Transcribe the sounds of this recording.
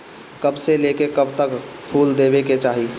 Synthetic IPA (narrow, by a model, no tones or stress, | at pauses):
kɐbseleːkekɐbt̪ək | pʰuːld̪eːʋeket͡ʃaːɦi